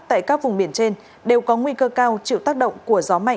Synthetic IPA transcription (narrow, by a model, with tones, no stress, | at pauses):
t̪a̰ː˧˨jkaː˦˥k̚vʊ˨˩ŋ͡mɓi˧˩ənt͡ɕe˧n | ɗe˨˩wkɔ˨˦ŋwi˧kəː˧kaː˧wt͡ɕḭ˧˨wt̪aː˦˥k̚ɗə̰˧˨wŋ͡mku˧˩əzɔ˨˦ma̰˧˨